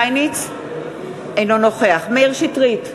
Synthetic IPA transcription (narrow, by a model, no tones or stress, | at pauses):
jnit͡s | ejnonoχeaχmeeʁʃitʁit